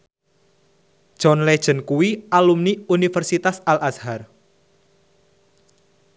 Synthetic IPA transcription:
d̥ʒ̥ɔnled̥ʒ̥ə̤nkuwiʔalumniunifərsit̪asalʔashar

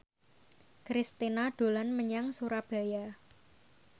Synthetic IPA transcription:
kɾist̪inaɖ̥o̤lanməɲaŋsuɾab̥a̤ja

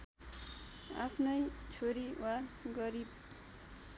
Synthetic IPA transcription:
a̰pʰnʌjt͡sʰoɾiwaɡʌɾib̚

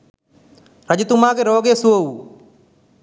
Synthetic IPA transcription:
ɾəd͡ʒt̪ʊmãːkeɾoːɡeːsuou

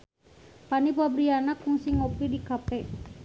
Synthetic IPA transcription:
panipabɾianakːuŋsiŋoplidikapɛ

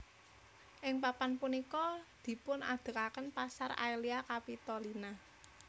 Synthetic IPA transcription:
ʔɪŋpapanpunikɔd̪̥i̤pʊnad̪̥ə̤kakənpasara̰iliakapit̪ɔlina

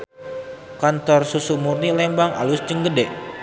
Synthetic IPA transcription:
kant̪ɔrsusumurnilɛmbaŋa̰lusd͡ʒəŋɡədɛʔ

